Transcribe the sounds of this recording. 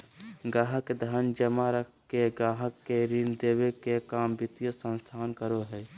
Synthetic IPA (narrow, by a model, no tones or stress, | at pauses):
ɡaːɦəkːed̪ʱaːnd͡ʒəmaɾəkʰkeɡaːɦəkːeɾind̪eːwekekaːmbɪt̪ijəsə̃nst̪ʰaːnkəɾoɦɛː